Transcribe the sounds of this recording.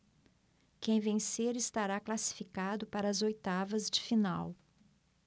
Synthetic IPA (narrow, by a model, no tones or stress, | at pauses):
kẽj̃vẽseɾɪst̪aɾaklasi̥fikad̪ʊpaɾɐːzojt̪avɐzd͡ʒɪfinaw